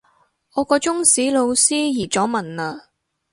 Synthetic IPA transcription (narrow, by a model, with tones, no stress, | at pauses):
ɔː˨˧kɔː˧t͡sʊ˥ŋsiː˨˥lo˨˧wsiː˥jiː˨˩t͡sɔː˨˥mɐ˨naː˧